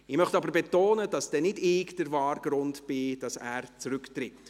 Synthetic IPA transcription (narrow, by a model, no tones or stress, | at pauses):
ɪmœχtɑbəɾbɛtoːnəd̥ɑsd̥ɛnɪdekd̥əɾvɑːrɡ̥ɾʊntb̥ɪd̥ɑsæːɾt͡sɾʏktɾɪt